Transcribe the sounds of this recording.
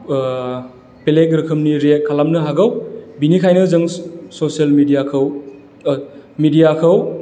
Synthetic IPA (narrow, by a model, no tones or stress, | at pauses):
pelek̚ɾɯkʰɯmniɾet̚kʰalamnɯɦaɡɐwbinikʰajnɯzɯŋsosielmidijakʰɯw | midijakʰɐw